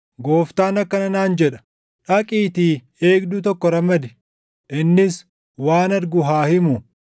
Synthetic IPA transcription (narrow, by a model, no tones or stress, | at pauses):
ɡoːft̪aːnɐkːɐnɐnaːnd͡ʒɛᶑɐ̥ | ᶑɐkʼiːt̪iː | e̞ːɡd̪ʊt̪̬ɔkːɔɾɐmɐd̪ɪ | ʔɪnːɪs | waːnɐɾɡʊɦaːhɪmʊ